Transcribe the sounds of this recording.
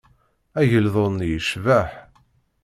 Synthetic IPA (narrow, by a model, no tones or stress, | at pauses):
æʝəlðˤonjəʃvæħ